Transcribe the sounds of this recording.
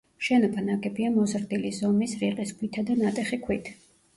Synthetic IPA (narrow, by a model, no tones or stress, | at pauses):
ʃɛnɔbʰanaɡʼɛbiamɔzɾd̪ilizɔmisɾiqʼiskʰwit̪ʰad̪anat̪ʼɛχikʰwit̪ʰ